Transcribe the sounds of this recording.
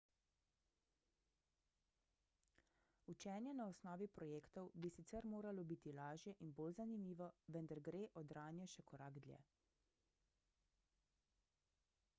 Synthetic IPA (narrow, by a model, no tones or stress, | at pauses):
ut͡ʃɛːnjɛnaɔsnɔːʋipɾɔjeːkt̪ɔwbisit̪sɛɾmoːɾalɔbit̪ilaːʒjɛʔinbolzanimiːʋɔʋɛnd̪aɾɡɾeːʔɔd̪ɾaːnjɛʃɛkɔɾaɡd̪ljɛ̰